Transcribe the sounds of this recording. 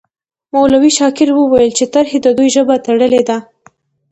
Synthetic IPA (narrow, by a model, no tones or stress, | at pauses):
mawlawiʃɑkɪɾwəwajəlt͡ʃet̪aɾhed̪əd̪ujʒəbat̪aɽəled̪a